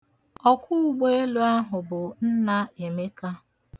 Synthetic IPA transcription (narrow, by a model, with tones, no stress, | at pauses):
ɔ˦kʰʷʊ˦˨ɡ͡be˦e˦lu˦a˦ɦʊ˨bʊ˨n̩˦na˦e˨me˦ka˦